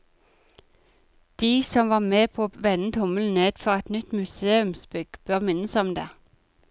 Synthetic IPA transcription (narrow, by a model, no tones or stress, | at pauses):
d̪̥iːsɔmʋɑːmeːpʰoːʋɛnn̩t̪ʰʊməln̩eːd̪̥fɔʁɛt̪nʏt̪mʉseːʉmsbʏɡ̥b̥øːʁmɪnəsɔmd̪ḛː